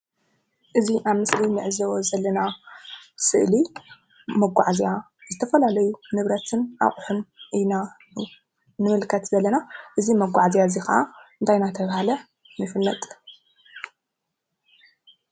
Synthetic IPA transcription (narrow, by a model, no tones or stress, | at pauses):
ʔɨziʔaβmɨslinɨʕzɐwozɐlːɐna | sɨʔli | mɐɡʷaʕzija | zɨt̪ʰɐfɐlalɐjunɨβɾɐt̪ʰɨnʔa̰χʼħunʔina | nɨmɨlkʰɐt̪zɐlːɐnaʔɨzimɐɡʷaʕzijazixɐʔaɨnt̪ʰajnat̪ʰɐβhalɐ | nɨfɨlːɐt̪ʼ